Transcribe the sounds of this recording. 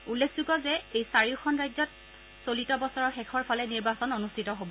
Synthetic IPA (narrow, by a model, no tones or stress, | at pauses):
ulːekʰzuɡɔzɛejsaɹiʊxʰɔnɹajzɔt̚ | solitɔbɔsɔɹɔxɛkʰɔɹpʰalɛniɹbasɔnonustʰitɔɦobɔ